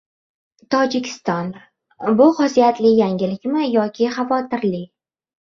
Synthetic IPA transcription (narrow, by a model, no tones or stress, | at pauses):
t̪ʰɒd͡ʒɪkʲʰɪ̥st̪ɒn | bʊqɒsijat̪lɪjaŋʲɪlɪkʲmɪjɒkʲʰɪχavɒt̪ʰɪɾlɪ